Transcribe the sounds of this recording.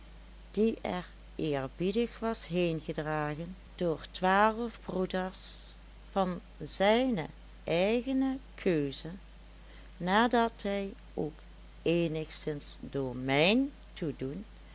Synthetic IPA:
d̥iɛɹ | ʔɪːɹbidəxʋɑsɦejnɣədraːɣən | d̥ʊːɹtʋaːləvbrudəɹs | v̥ɑn | zɛjnə | ʔɛjɣənəkʰøɥzə | naːdɑtɦɛj | ʔowk | eːnəχsɪnsdoːɹmɛjn | tudun

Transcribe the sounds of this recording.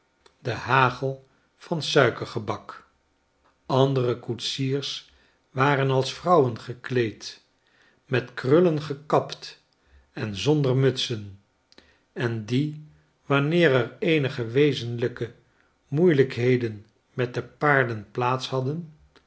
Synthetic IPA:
dəhaːχəlˠ | fɑnsœɥkəɹχəbɑk | ɑndərəkutsiːɹs | ʋaːrənɑlˠsfrʌwənχəklejt | mɛtkrɵlənχəkɑpt | ɛnzɔndəɹmɵtsən | ɛndi | ʋɑnɪːɾɛɹejnəχəʋejzənləkə | mujləkɦejdən | mɛt̚dəpaːɹdənplaːtshɑdən

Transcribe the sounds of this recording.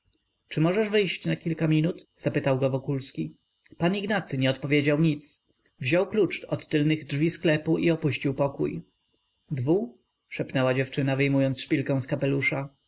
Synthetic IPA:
t͡ʂɘmɔʐɛʐvɘjɕt͡ɕnakʲilkamʲinut̪z̥apɘt̪awɡɔvɔkulskʲi | paniɡnat̪sɘɲɛɔt̪̚pɔvʲjed͡ʑawɲit̪s | vʑɔwklut͡ʂɔt̪ːɘlnɘɣdʐvʲisklɛpuʔiɔpuɕt͡ɕiwpɔkṵj | d̪vu | ʂɛpnɛwad͡ʑɛft͡ʂɘnavɘjmujɔnt̪sʂpʲilkɛ̃w̃skapɛluʂa

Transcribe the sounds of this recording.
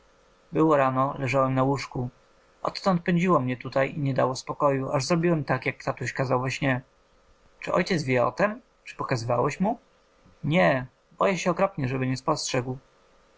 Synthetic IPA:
bɘwɔɾanɔlɛʐawɛmnawuʂku | ɔ̰t̪t̪ɔnt̪̚pɛɲd͡ʑiwɔmɲɛt̪ut̪ajiɲɛd̪a̰wɔspɔkɔjuʔaʐzɾɔbʲiwɛmt̪akjak̚pt̪at̪uɕkazawvɛɕɲɛ | t͡ʂɘʔɔ̰jt͡ɕɛt̪zvʲjɛɔ̰t̪ɛm | t͡ʂɘ̥pɔkazɘvawɛɕmu | ɲɛ | bɔjɛɕɛɔkɾɔpɲɛʐɛbɘɲɛspɔstʂɛɡw

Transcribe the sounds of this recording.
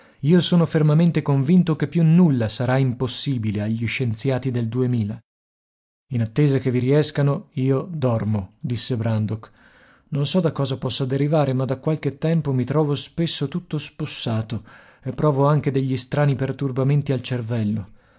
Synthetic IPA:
iːosoːnofermament̪ekoɱvint̪okepːjunːulːasaɾaimposːiːbileaʎːiʃːent̪sjaːt̪id̪eld̪uemiːla | inat̪ːeːzak̟eviɾiɛskanoiːod̪ɔrmod̪isːebɾand̪ok | nonsɔd̪akːɔːzapɔsːad̪eɾivaːɾemad̪akːwalk̟et̪ːɛmpomit̪ɾɔːvospesːot̪ut̪ːosposːaːt̪o | epːɾɔːvoaŋk̟ed̪eʎːist̪ɾaːnipert̪urbament̪ialt͡ʃervɛlːo

